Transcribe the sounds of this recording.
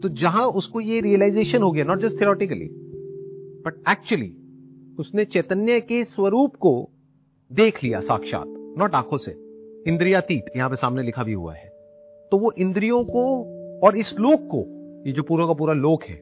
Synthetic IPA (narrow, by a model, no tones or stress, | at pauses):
t̪od͡ʒɐɦãʊskojeɾiəlaɪzeːʃənɦoːɡjaːnɔːʈ̚d͡ʒɐsʈt̪ʰioɾɔːʈɪkəlḭ | b̥ɐʈ̚ɛːk̚t͡ʃuəlḭʊsnet͡ʃɛːt̪ənjəkeswɐɾuːpko | d̪eːkʰlija̰sa̰ːkʃa̰ːt̪nɔːʈaːkʰosḛɪ̃nd̪ɾijat̪iːʈjɐɦãpesaːmnelɪkʰabʱiɦṵa̰ɦɛː | t̪oʋoʔɪ̃nd̪ɾijõkoɔːɾɪsloːɡ̚ko̰jed͡ʒoːpuːɾõkap̬uːɾaloːɡɦɛ̰ː